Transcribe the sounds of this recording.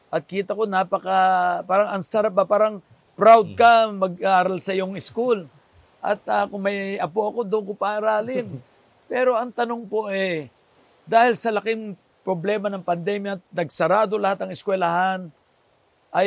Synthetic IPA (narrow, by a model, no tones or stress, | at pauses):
ʔɐt̪̚kiːt̪ɐko̞napɐkɐpaːɾɐŋɐŋsɐɾap̚bapaːɾɐŋ | pɾawd̪̚kɐmɐɡ̚aːɾɐlsɐʔɪjoŋɪskul | ʔɐ̰t̪akʊŋmɐjʔɐpoʔɐko̞d̪ʊʔʊŋkopaʔːɾaːlɪn | pɛːɾo̞ɐŋt̪ɐnoŋpo̞ʔɛ | d̪aːhɪlsɐlɐkɪŋ | pɾoblɛːmɐnɐŋpɐnd̪ɛmjat̪̚nɐɡsɐɾaːd̪o̞lɐhat̪ɐŋɪskwɛlaɦan | ʔɐj